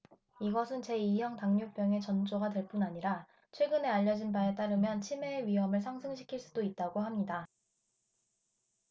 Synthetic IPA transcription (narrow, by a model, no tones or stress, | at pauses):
iɡʌsʰɯnt͡ɕe̞iɦjʌŋtaŋɲop͈jʌŋe̞t͡ɕʌnd͡ʑoɡadwe̞ɭp͈unaɲiɾa | t͡ɕʰwe̞ɡɯne̞aʎːʌd͡ʑinbae̞t͈aɾɯmjʌnt͡ɕʰime̞ːɥiɦʌmɯɭsʰaŋsʰɯŋɕʰi̥kʰiɭs͈udoit̚t͈aɡoɦamɲida